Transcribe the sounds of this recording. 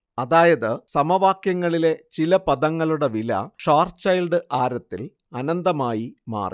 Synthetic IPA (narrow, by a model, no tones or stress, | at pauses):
ɐðaːjɐðɨsɐmɐʋaːkjɐŋːɐɭile̞t͡ɕilɐpɐðɐŋːɐɭuɽe̞ʋilɐ̰ʂaːrt͡ɕɐjlɖɨʔaːɾɐt̪ːil | ɐnɐnd̪ɐmaːjima̰ːrḭ